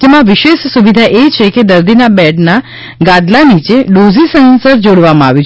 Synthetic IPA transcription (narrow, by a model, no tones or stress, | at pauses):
d͡ʒemãʋiʃeʃsuʋid̪ʱaʔet͡ʃʰeked̪əɾd̪ʱinabɛɖna | ɡãd̪lanit͡ʃeɖozisə̃nsəɾd͡ʒoɽʋamãaʋjũ